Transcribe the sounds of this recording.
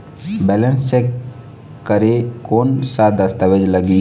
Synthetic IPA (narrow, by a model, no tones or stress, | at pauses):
bɛlənsek | kəɾekoːnsad̪əst̪əʋed͡ʒləɡiː